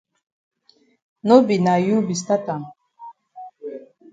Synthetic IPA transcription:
no˦bi˨na˨ju˦bi˨s̬t̪a˦t̪a˨

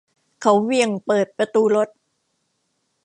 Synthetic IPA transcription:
kʰa˦˥wwi˧˩əŋpɤː˨˩t̪̚pɾa˧t̪uː˧lo˦˥t̪̚

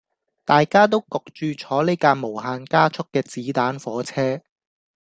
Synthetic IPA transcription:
t̪aː˨jkaː˥t̪o˥wkɔ˨k̚t͡ʃyː˧t͡ʃʰɔː˨˥le˥jkaː˧mo˨˩wɦaː˧nkaː˥t͡ʃʰʊ˥k̚ːɛː˧t͡siː˨˥t̪aː˨˥nfɔː˨˥t͡sʰɛː˥

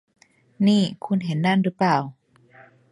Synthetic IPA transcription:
niː˧˥˩kʰu˧˥˨nɦe˨˩˦nːa˧˥˨nɾɯː˩˦plaː˧˩w

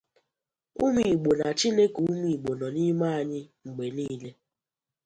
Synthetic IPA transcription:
u˦mi˨ɡ͡bo˨na˨t͡ʃi˦ne˦ke˨u˦mi˨ɡ͡bo˨nɔ˨ni˦ma˦a˨ɲɪ˦ŋ͡m̩˨ɡ͡be˨niː˦le˦

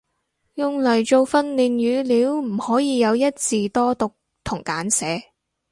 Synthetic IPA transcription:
jʊ˨ŋlɐ˨˩jt͡ʃo˧wfɐ˧nliː˨njyː˨˧liː˨˥wm̩˨˩hɔː˨˥jiː˨˧jɐ˨˧wjɐ˥t̚t͡siː˨˧t̪ɔː˥t̪ʊ˨k̚ | t̪ʰʊ˨˩ŋkaː˨˥nsɛː˨˥

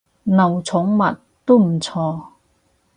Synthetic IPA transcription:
nɐ˨˩wt͡sʰʊ˨˥ŋmɐ˨t̚ | t̪o˥m̩˨˩t͡sʰɔː˧

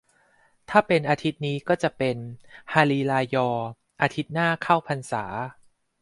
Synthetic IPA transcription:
t̪ʰaː˥˩pe˧nʔaː˧t̪ʰi˦˥t̪̚niː˦˥kɔː˥˩t͡ɕa˨˩pe˧nhaː˧liː˧laː˧jɔː˧ | ʔaː˧t̪ʰi˦˥t̪̚naː˥˩kʰa˥˩wpʰa˧nsa̰ː˩˦

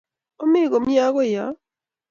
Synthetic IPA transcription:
o˦mi˦˨ɣo˨mja˦ɣo˦ja˨˦

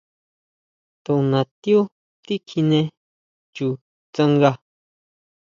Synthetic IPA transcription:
t̪o˨nã˨t̪i˦u˦ | t̪i˦kʰi˧nẽ˧ | t͡ʃu˨ | t͡sa˦˧ŋɡa˧

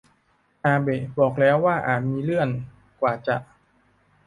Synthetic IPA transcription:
ʔaː˧be˨˩bɔː˨˩k̚lɛː˦˥wːaː˥˩ʔaː˨˩t̪̚miː˧lɯ˥˩ən | kwaː˨˩t͡ɕa˨˩ʔ

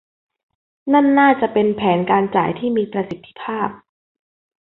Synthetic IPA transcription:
na˥˩nːaː˥˩t͡ɕa˨˩ʔpe˧npʰɛː˩˦nkaː˧nt͡ɕa̰ː˨˩jt̪ʰiː˥˩miː˧pɾa˧si˨˩t̪ʰːi̥˦pʰaː˥˩p̚

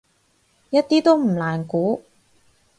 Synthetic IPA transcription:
jɐ˥t̚t̪iː˥t̪o˥wm̩˨˩laː˨˩nkuː˨˥

